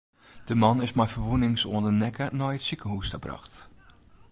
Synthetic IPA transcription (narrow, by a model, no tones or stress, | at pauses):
d̥əmɑnɪsmɛjfərʋunɪŋsoəndənɛkənɔjətsikəɦusəbrɑ̰xt